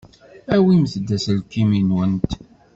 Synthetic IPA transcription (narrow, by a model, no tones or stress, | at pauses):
æwiməθəd̪ːæsəlkːiminwənt̪